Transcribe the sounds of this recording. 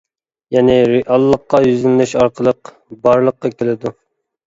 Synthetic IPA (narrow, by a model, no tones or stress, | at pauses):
jɛnɪɾɪʔɑlˠːəqːɑjyzylnɪʃɑɾqʰəlˠəq | bɑɾlˠəqːɑkʲʰelɪd̪u